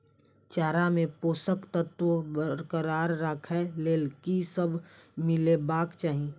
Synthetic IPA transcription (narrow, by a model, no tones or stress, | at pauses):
t͡ʃaːɾamẽpoːsəkt̪ət̪wobəɾkəɾaːɾːakʰɛleːlkisəbʱmɪlebaːkt͡ʃaːɦĩ